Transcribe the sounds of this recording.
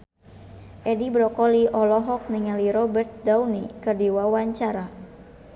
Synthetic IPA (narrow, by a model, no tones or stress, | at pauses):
ʔɛdibɾɔkɔliʔɔlɔɦɔk̚niŋaliɾɔbɛrt̪̚dauwnikɨrdiwawaɲt͡ʃaɾa